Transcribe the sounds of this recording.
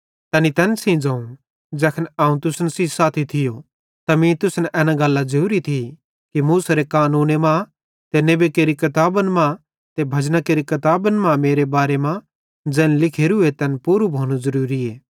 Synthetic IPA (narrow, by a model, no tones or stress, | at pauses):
t̪ɛːnit̪ɛːnsĩd͡zãːũ | d͡ʒɛːkʰənaːũt̪ʊsnsisaːt̪ʰit̪ʰɪjo | t̪ɐmĩt̪ʊsnʔɛːnãɡɐlːad͡ʒɐɾuːɾit̪ʰi | kimuːsaɾekaːnuːnemã | t̪enebekeːɾikɐt̪aːbənmã | t̪ebʱɐd͡ʒnakeːɾikɐt̪aːbənmãmeːɾebaːɾemã | d͡ʒɛ̃ːnlɪkʰeːɾuet̪ɛnpuːɾubʱoːɽ̃uzɐɾuːɾieː